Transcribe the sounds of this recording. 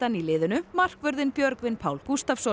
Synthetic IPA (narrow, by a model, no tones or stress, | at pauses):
anilɪːðʏnʏmar̥kvœɾðɪnpjœɾkvɪnpʰaːwlkust̪afsɔ